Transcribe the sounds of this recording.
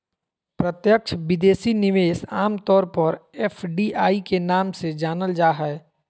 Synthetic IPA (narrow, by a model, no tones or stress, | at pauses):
pɾət̪jəkʃʰʋɪd̪eːsinɪʋeːsaːmt̪ɔːɾpəɾɛːfʰɖiːʔaːikenaːmsed͡ʒaːnəld͡ʒaːɦɛɛ